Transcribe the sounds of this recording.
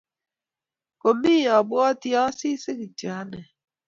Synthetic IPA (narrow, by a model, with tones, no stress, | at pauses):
ko˨mi˦˨ɔ˨bɔ˦ɔ˦tjɔ˦si˦si˦ki˨ti˨a˦ne˨